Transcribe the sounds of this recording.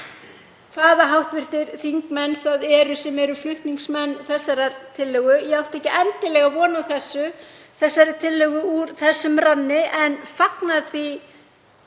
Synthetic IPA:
kθaːðaɦawht̪vɪr̥t̪ɪɾθiŋkmɛnːθaðɛɾʏsɛmɛɾʏflʏht̪niŋksmɛnːθɛsːaɾaɾt̪ʰɪlːœɣʏjɛawht̪ɛhcɪʔɛnt̪ɪlɛɣavɔːnawθɛsːʏθɛsːaɾɪt̪ʰɪlːœɣʏuɾθɛsːʏmɾanːɪʔɛnfaknaðvi

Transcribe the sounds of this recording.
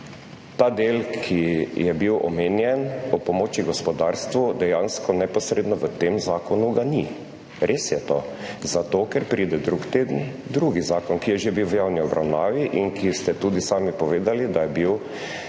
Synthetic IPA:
t̪aːd̪eːlkʰijɛbiwʔɔ̰meːnjɛnɔpɔmoːt͡ʃiɡɔspɔd̪aːɾst̪ʋud̪ɛjanskʰɔnɛpɔsɾeːd̪nɔʋət̪emzaːkɔnuɡani | ɾʔeːsjɛt̪o̰zat̪oːkɛɾpɾiːd̪ɛd̪ɾukt̪eːd̪nid̪ɾuːɡizaːkɔnkijɛʒebiwʋjawniɔbɾa̰wnaːʋiʔinkʰist̪ɛt̪uːd̪isaːmipɔʋeːd̪alid̪ajɛbiw

